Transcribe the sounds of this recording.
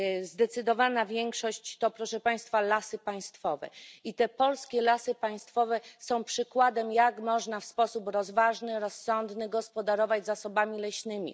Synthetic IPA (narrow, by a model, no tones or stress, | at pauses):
zd̪ɛt̪sɘd̪ɔvanavʲjɛŋkʂɔɕt͡ɕt̪ɔpɾɔʂɛpaj̃st̪falasɘpaj̃st̪fɔvɛ̰it̪ɛpɔlskʲɛlasɘpaj̃st̪fɔvɛsɔ̃w̃pʂɘkwad̪ɛmjakmɔʐnafspɔsupɾɔzvaʐnɘɾɔsːɔnd̪nɘɡɔspɔd̪aɾɔvad͡ʑzasɔbamʲilɛɕnɘmʲḭ